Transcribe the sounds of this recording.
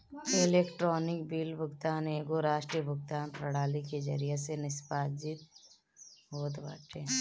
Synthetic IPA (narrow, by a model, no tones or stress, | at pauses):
eleːkʈɾoːnɪkbiːlbʱʊɡt̪aːneːɡoɾaːʃʈɾijəbʱʊɡ̚t̪aːnpɾɐɽaːliked͡ʒə̰ɾijesenɪspaːd͡ʒɪt̪ | ɦoːt̪ba̰ːʈeː